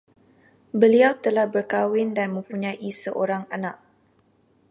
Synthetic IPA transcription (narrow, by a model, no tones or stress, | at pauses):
bəliawt̪əlahbərkawɪndanmə̃mpuɲãʔisəʔoɾaŋanaʔ̚